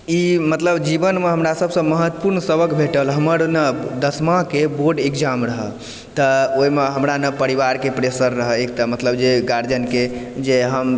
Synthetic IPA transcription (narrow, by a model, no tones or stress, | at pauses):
imət̪ləbd͡ʒibənmeɦəmɾasəbsə̃məɦət̪ːə̥puɾnsəbəkbʱeʈəlɦəməɾnəd̪əsmãkeboɾɖekd͡ʒamɾəɦə̰ | t̪əoimeɦəmɾanəpəɾiʋaɾkepɾesəɾːəɦəek̚t̪əmət̪ləbd͡ʒeɡaɾd͡ʒənke | d͡ʒeɦəm